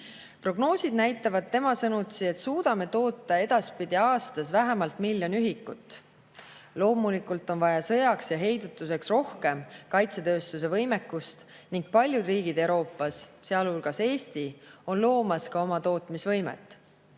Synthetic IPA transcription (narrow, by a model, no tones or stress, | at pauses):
pro̞ɡ̥no̞ːsid̪̚næjt̪ːˑɑvɑd̪̚t̪ːe̞mɑsɤnut̪sie̞t̪suːd̪̥ɑme̞t̪o̞ːt̪ːˑɑe̞d̪̥ɑspid̪̥ʲiɑːst̪ɑsvæɦemɑlt̪milːjo̞nyɦikːut̪ːˑ | lo̞ːmulikːult̪ːˑo̞nvɑjɑsɤ̞jɑksjɑɦe̞jd̪ut̪ːˑuse̞ksro̞hke̞mkɑjt̪se̞t̪ø̞ːst̪use̞vɤjme̞kːust̪ | niŋɡ̥̚pɑlʲjud̪riːɡ̥id̪e̞wɾo̞ːpːˑɑsseɑlhulɡ̥ɑse̞ːst̪io̞nlo̞ːmɑskɑo̞mɑt̪o̞ːt̪ˑmisvɤ̞jmḛt̪ːˑ